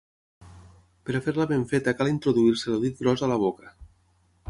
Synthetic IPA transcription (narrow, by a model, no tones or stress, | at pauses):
pəɾafeɾləβeɱfet̪əkalint̪ɾoðuiɾsəloðit̪̚ɡɾɔzalaβ̞okə